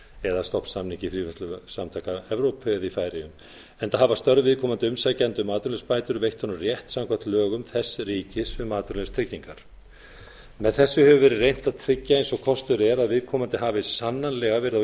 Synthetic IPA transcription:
ɛðast̪ɔhpsamniɲcɪfɾiːvɛnst̪lʏsamt̪ʰajkaɛvɾowpʰɛðifaːjɾɪjʏm | ɛnt̪aɦavast̪œɾðvɪðkʰɔːmant̪ɪʏmsacant̪ʏmaːðt̪ʏɾnlɛspaːjt̪ʏɾvejht̪ʰɔnːʏrjɛht̪samkʰḁt̪lœːɣʏmθɛsːriːcɪsʏmaːt̪ʏɾlɛst̪ʰɾɪcːiŋkaɾ̥ | mɛðθɛsːʏhɛvʏvɛːɾɪrejn̥t̪aðt̪ʰɾɪcːaensɔɣkʰɔst̪ʏɾɛɾaðvɪðkʰɔːmant̪ɪɦaːvɪsanːanlɛɣavɛːɾɪða

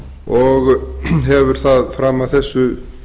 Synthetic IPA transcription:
ɔɣɦɛvʏɾ̥θaðfɾaːmːavθɛsːʏ

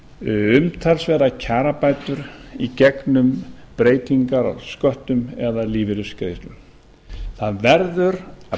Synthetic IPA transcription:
ʏmt̪ʰalsvɛːɾacʰaːɾapaːjt̪ʏɾicɛknʏmpɾeːjt̪ʰiŋkaɾ̰skœht̪ʏmɛðaliːvɪɾʏskɾeːjst̪ʏm | θaðvɛɾðʏɾa

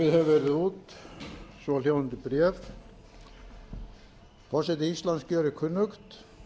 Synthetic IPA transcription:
ɪðhɛvɛːɾɪðuːt̪ | sɔljaːwant̪ɪpɾjɛːv | kʰasɛt̪ɪist̪lanskœːɾɪkʰʏnːʏkt̪

